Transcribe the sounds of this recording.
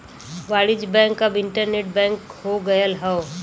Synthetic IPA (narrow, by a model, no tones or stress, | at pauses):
ʋaːɽɪd͡ʒbɛ̃ːŋkɐbɪ̃ɳʈəɾneːʈ̚bɛ̃ːŋkhoɡɐjəlɦɛo